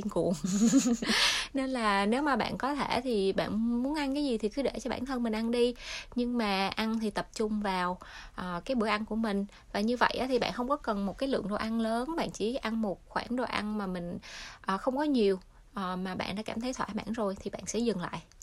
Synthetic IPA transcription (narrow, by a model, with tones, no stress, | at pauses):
i˧ənkṵ˨˩əŋ | ne˧nlaː˨˩ne˨˦wmaː˨˩ɓa̰ː˧˨nkɔ˨˦t̪ʰe˧˩t̪ʰi˨˩ɓa̰ː˧˨nmu˨˦ənʔa˧nkaː˨˦jzi˨˩t̪ʰi˨˩kɨ˨˦ɗe˧˩t͡ɕɔ˧ɓa̰ː˧˩˨nt̪ʰə˧nmï˨˩ŋʔa˧nɗi˧ɲɨ˧ŋmaː˨˩ʔa˧nt̪ʰi˨˩t̪ə˨˩p̚t͡ɕʊ˧ŋ͡mvaː˨˩wʔəː˨˩kaː˨˦jɓɨ˧˩əjʔa˧nku˧˩əmï˨˩ŋ̟ | vaː˨˩ɲɨ˧və̰˧˨jʔa̰ː˨˦t̪ʰi˨˩ɓa̰ː˧˨nxə˧wŋ͡mkɔ˨˦kə˨˩nmo˨˩t̚kaː˨˦jlɨ̰˧˨əŋɗo˧˩ʔa˧nləː˨˦nɓa̰ː˧˨nt͡ɕi˧˩ʔa˧nmo˨˩t̚xwaː˧˩nɗo˧˩ʔa˧nmaː˨˩mï˨˩ŋ̟ʔəː˨˩xə˧wŋ͡mkɔ˨˦ɲi˨˩əw | ʔəː˨˩maː˨˩ɓa̰ː˧˨nɗa̰ː˧˥kaː˧˩mt̪ʰə˨˦jt̪ʰwaː˧˩ɓa̰ː˧˥nzo˨˩jt̪ʰi˨˩ɓa̰ː˧˨nsɛ̰˧˥zɨ˨˩ŋla̰ː˧˨jʔ